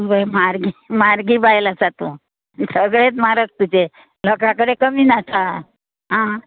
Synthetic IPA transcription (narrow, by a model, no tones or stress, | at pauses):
ubəjmaɾɡimaɾɡiːbajlasat̪ũː | səɡɭet̪maɾət͡st̪ud͡ʑe | ləkakəɾekəmiːnasa | ɦã